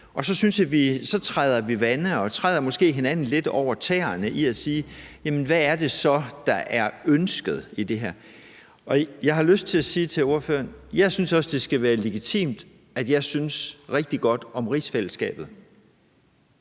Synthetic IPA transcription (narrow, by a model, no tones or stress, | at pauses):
ʔɒ̽sɒ̽synsjɑʋisɒ̽t͡sʰʁɑaɪð̞ˠɐʋiʋænəɒ̽t͡sʰʁɑɪðˠɐmɔ̽sɡ̥e̝̰ːɦe̝næn̰n̩le̝d̥ɒʊ̰ɐt͡sʰɛ̰ːɐnəʔiæsiːjæmən̩ʋææɐd̥e̝sɒ̽d̥ɑ̈ʔæɐønsɡ̥əð̞̩ˠid̥e̝ɦæɐ̰ | ʔɒ̽jɑ̈ɪɦɑ̈løsd̥̚t͡sʰe̝læsiːt͡sʰe̝lo̝ɐfø̰ːɐnjɑ̈ɪsynsɒ̽səd̥e̝sɡ̥æʋæːɐle̝ɡ̥it͡sʰḭːmd̥ | æd̥jɑ̈ɪsynsʁeɡ̥̚d̥iɡ̥ɒ̽d̥ɒ̽mʁḭːsfel̰əsɡ̥ɛ̰ːb̥ð̞̩ˠ